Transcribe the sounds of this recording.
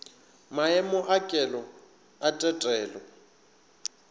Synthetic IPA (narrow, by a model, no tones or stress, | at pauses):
maɛmʊʔakʼɛlɔ | atʼɛtʼɛːlɔ